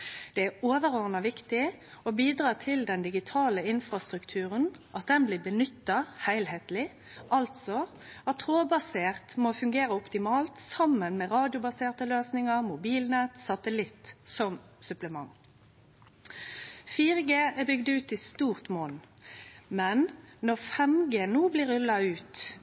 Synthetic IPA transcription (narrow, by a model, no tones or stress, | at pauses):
d̪̥ɛæoːʋəʁɔʁnɑʋɪkt̪ɪɔbiːd̪ɾʁɑːt̪ʰɪld̪ɛnd̪ɪɡɪt̪ʰɑːləɪnfʁɑst̪ʁʉkt̪ʰʉːʁənʔɑt̪̚d̪ɛnblɪːbənʏt̪ːɑhæɪlheːt̪lɪ | ʔɑlt̪sɔ | ɑt̪ʰɾoːbɑseːʁt̪mofʉŋɡeːɾəɔpt̪ɪmɑːlt̪sɑmːənmɛʁɑːd̪jʊbɑseːʁt̪əløːsnɪŋɑʁmʊbiːlnɛt̪sɑt̪əlɪt̪ːsɔm | sʉpləmɑŋ | fiːʁəɡeːɛbʏɡd̪ʉːt̪ɪst̪uːʁt̪moːnn | mɛnnɔʁfɛmɡeːnuːblɪɾʉlːɑʉːt̪